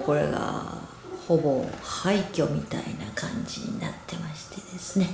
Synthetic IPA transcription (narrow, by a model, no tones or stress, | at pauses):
ko̞ɾe̞̰ɡa̰ | ho̞bo̞haikʲo̞mʲit̪ainakʰãɲd͡ʑiɲ̟ina̰t̪ːe̞maɕi̥t̪e̞d̪̥e̞sɨ̥ne̞